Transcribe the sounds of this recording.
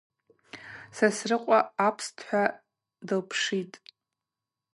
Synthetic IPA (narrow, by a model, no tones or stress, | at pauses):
sasrɨqʷʼaapʰstʰħʷᶣa | dɨlpʰʂitʼ